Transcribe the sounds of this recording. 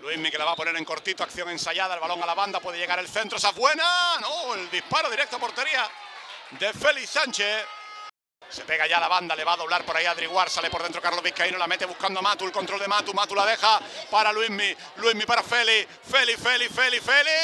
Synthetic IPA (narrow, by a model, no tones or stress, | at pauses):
lwimike̞laβapo̞ne̞ɾe̞ŋko̞ɾt̪it̪o̞akθjo̞ŋensaʝaðaelβalo̞ŋalaβand̪apwe̞ð̞e̞ʝe̞ɣ̞aɾe̞lθe̞nt̪ɾoesaβwe̞nanoeld̪ihpaɾoðiɾek̚t̪oapo̞ɾt̪e̞ɾia | d̪e̞fe̞lisant͡ʃe̞θ | se̞pe̞ɣaʝaːlaβand̪ale̞βaðo̞β̞laɾpo̞ɾaiaðɾiɣwaɾsale̞po̞ɾðent̪ɾokaɾlo̞βihkainolame̞t̪e̞βuhkand̪omat̪uelkont̪ɾolðe̞mat̪umat̪ulaðe̞xapaɾalwiɦmi | lwiɦmipaɾafe̞li | fe̞life̞life̞lifeli